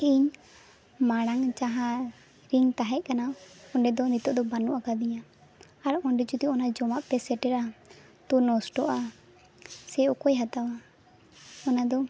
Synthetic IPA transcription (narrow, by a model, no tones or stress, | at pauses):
iɲ | maɽaŋt͡ʃaɦa | ɾiŋt̪aɦɛʔ̚ˀkanaɔɳɖɛd̪ɔnit̪ɔʔd̪ɔbanuʔakad̪iɲaː | ɾɔɳɖɛd͡ʒut̪iɔnad͡ʒɔmaʔpɛsɛʈɛɾa | t̪unɔsʈɔʔa | sɛɔkɔjɦat̪awa | ɔnad̪ɔ